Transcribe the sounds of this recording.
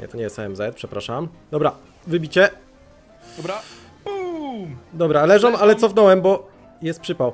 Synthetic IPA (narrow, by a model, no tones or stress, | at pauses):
ɲɛ̰t̪ɔɲɛjɛst̪ɛɛmzɛt̪̚pʂɛpɾaʂam | d̪ɔbɾa | vɘbʲit͡ɕɛ | ɔa | u | d̪ɔbɾalɛʐɔmalɛt̪sɔfnɔwɛmbɔ | jɛst̪pʂɘpaw